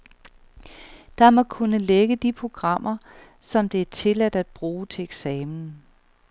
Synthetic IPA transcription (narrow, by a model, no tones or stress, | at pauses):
d̥ɑ̈mɒkʰunəleɡ̥əd̥ipʰʁo̝ɡ̥ʁɑ̈m̰ʔɐ | sɒ̽md̥e̝æɐt͡sʰe̝læd̥æd̥̚b̥ʁuːt͡sʰe̝eɡ̥sɛːmn̩